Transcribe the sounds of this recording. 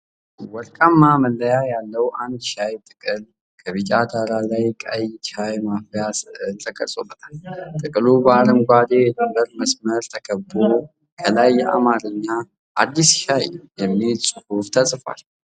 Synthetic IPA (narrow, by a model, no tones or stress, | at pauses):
wɔɾkʼamːaməlːəjajalːəwʔand̪ʃajt̪ʼɨkʼɨl | kʰəβɨt͡ʃʼad̪aɾalajkʼə̰jt͡ʃajmafjast̪ʼəkʼə̰sʼobət̪ʼamt̪ʼɨkʼɨlubəaɾəmɡʷad̪ejɛd̪əmbəɾməsməɾt̪ʰəkʰəbo | kʰəlajːɛʔa̰maɾɨɲːa | ʔad̪ːisʃajjɛmːisʼɨhuft̪ʰəsʼɨfa̰l